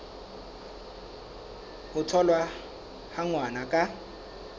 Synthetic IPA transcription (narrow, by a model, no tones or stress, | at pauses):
ʊtʰɔlwa | haŋwanakʼa